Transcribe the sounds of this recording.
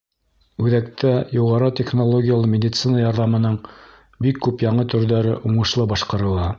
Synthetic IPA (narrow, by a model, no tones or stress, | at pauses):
ʉðækt̪æjuʁɑɾɤt̪ʲeχnolˠoɡʲɪjalˠɤmʲɪd̪ʲɪt̪sɨnəjɑɾðɑmɤ̆nɤɴ | bikːʉpjɑɴɤt̪ɵ̆ɾðæɾɘʔuɴɤ̆ʃlˠɤbɑʃqɑɾɤ̆lˠɑ